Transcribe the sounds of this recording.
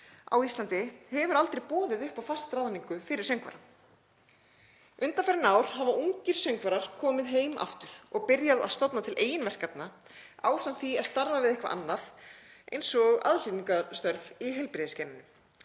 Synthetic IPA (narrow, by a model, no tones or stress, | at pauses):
a̰wist̪lant̪ɪhɛvʏɾalt̪ɾejpɔːðɪðʏhpawfastt̪ɾaːðaniŋkʏfɪɾɪ̥ɾ̥sœŋkva̰ɾa | ʔʏnt̪anfɛɾɪnaːwɾ̥havaʔuɲcɪɾ̥sœɥŋkvaɾaɾ̥kʰɔːmɪðɦeːjmʔa̰ft̪ʏɾ̥ɔɣpɪɾjaða̰ðst̪ɔp̪nat̪ʰɪlʔeːjɪnvɛr̥kat̪na | a̰ːwsant̪θiast̪aɾvavɪðehkva̰ʔa̰nːaðʔḛjnsɔɣa̰ðliniŋkast̪œɾviɦɛjlpɪɾðɪscɛnɪnʏm